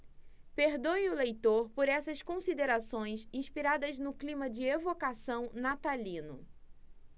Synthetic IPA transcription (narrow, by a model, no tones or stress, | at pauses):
peɾd̪ojʊlejt̪oɾpoɾɛsɐskõsid̪eɾasõj̃sĩʃpiɾad̪ɐznʊklĩmɐd͡ʒɪevokasɐ̃w̃nat̪alĩnʊ